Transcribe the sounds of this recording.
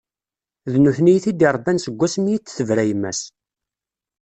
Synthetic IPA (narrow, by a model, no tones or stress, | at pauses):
ðnuθnijθid̪ɪɾˤbænsəɡʷːæsmijit͡sːθəvɾæjəmːæ̰s